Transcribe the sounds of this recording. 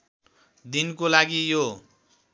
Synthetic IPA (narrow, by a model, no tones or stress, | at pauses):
d̪inkolaɡijo